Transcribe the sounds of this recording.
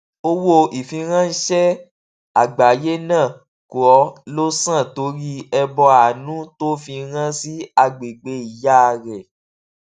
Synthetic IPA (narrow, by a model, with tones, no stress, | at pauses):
o˦wo˧i˨fĩ˧ɾ̃ã˦n̩˦ʃɛ˦ | a˨ɡ͡ba˨˦je˦nãː˦˨ | ko˨ɔ˨˦lo˦sã˦˨to˨˦ɾi˦ɛ˧bɔ˧a˨nũ˨˦to˦fĩ˧˦ɾ̃ã˦si˦a˧ɡ͡be˨ɡ͡be˧˦i˨ja˦˧ɾɛ˨